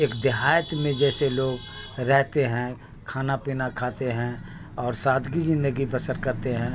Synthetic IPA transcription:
eːkd̪ɪɦaːjət̪mẽd͡ʒɛːseloːɡ | ɾɛɦt̪eɦɛ̃ | kʰaːnapiːnakʰaːt̪eɦɛ̃ | ɔːɾsaːd̪ɡizɪ̃nd̪əɡibəsəɾkɐɾt̪eɦɛ̃ː

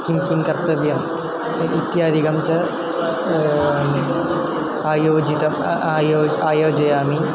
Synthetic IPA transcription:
kimkimkɐrt̪ɐʋjɐm | it̪jaːd̪ʱiɣɐmt͡ɕɐ | aːjoːd͡ʑid̪ɐmːjoːaːjoːd͡ʑɐjaːmi

